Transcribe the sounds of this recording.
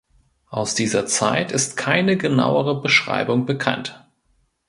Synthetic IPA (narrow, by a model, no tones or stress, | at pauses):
ʔaʊsd̥iːzɐt͡sa̰ɪtɪstkʰaɪnəɡəna̰ʊəʁəbəʃʁ̥a̰ɪbʊŋbəkʰa̰nt